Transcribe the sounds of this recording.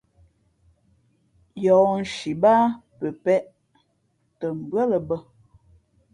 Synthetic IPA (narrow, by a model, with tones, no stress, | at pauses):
jɔ˨n̩˨ʃi˨ba˦pə˨pɛ˦ʔ | tə˨m̩˨bɰə˦lə˨bə˦